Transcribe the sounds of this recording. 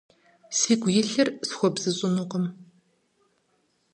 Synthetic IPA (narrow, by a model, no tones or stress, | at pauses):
siːɡʷʊjɪɬɐrsxʷɔbz̥ɨɕʼʊnʊqəm